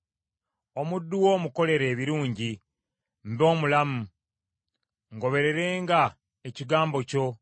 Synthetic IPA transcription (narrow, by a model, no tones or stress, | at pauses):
o̞mudːuwo̞muko̞le̞ɾe̞ːβiɾuːɲɟi | m̩bo̞ːmulamu | ŋɡo̞βe̞ɾe̞ɾe̞ːŋɡa | eciɡaːmbo̞co̞